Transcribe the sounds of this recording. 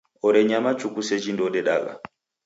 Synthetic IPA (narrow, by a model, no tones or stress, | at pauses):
ɔɾɛɲamat͡ʃukusɛd͡ʒindɔɗɛɗa̰ɡa̰